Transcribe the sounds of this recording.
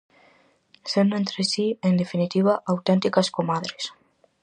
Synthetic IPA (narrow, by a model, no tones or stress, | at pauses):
senent̪ɾesiend̪efinit̪iβaʔawt̪ent̪ikaskomaðɾes